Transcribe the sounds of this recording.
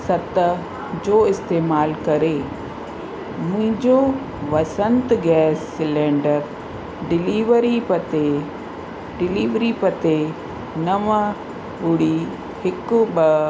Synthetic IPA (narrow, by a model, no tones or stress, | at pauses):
sɐt̪ | d͡ʑoːɪst̪eːmaːlkɐɾe | mʊ̃ɦɪ̃ɲd͡ʑo | ʋɐsə̃nt̪ɡɛːsːɪlẽːɳɖəɾ | ɖɪliːʋəɾipət̪e | ɖɪliːʋɾipɐt̪e | nɐʋə̃ | ʊɽi | hɪkʊbə